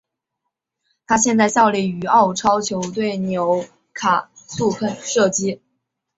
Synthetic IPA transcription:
t̪ʰa˥ɕjɛ˥˧nt͡sa˥˧ɪɕjɑ˥˧ʊli˥˩y˧˥ɑ˥˩ʊʈ͡ʂʰɑ˥ʊt͡ɕʰjo˧˥ʊt̪we˥˩ɪnjo˧˥ʊ | kʰa˨˩su˥˧pʰə˥˩nʂɤ˥˩t͡ɕi˥

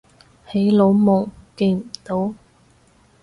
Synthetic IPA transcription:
he˨˥jlo˨˧˥wmʊ˨˩ŋke˧jm̩˨˩t̪o˨˥w

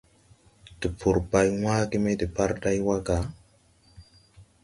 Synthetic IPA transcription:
d̥i˨pʰu˨ɾba˨jwa˦ki˦me˦di˨pa˦ɾda˦jwa˦ɡa˨

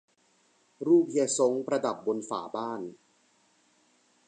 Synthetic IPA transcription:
ɾuː˥˩p̚i˧so˨˦˥ŋpɾa˧da˨˩p̚bo˧nfa̰ː˩˦baː˥˩n

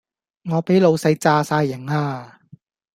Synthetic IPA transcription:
ŋɔː˨˧pe˨˥jlo˨˧wsɐ˧jt͡saː˧saː˧jːɪ˨˩ŋaː˧

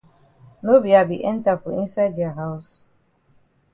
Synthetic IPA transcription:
no˦bi˨a˨bi˨ʔɛ̃˦n˦ta˨fɔ˨ĩ˦nsa˦di˨a˨ɦa˦ʊs

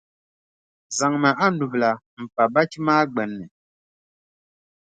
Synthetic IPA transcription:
za˨ŋma˨ʔa˦nu˨bla˨ | m̩˨pa˨ba˦t͡ʃi˦maː˦ɡ͡bɛ˨nːɨ˨

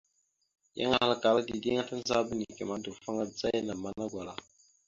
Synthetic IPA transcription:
ja̰˦ŋa˦˨ha˦la˦ka˨la˦di˨ɡe˦ŋa˦ta˦n˦za˦bə˦ni˨kɛ˨ma˦du˨fa˦ŋa˦d͡za˦jna˨ma˦na˦ɡʷa˨la˨

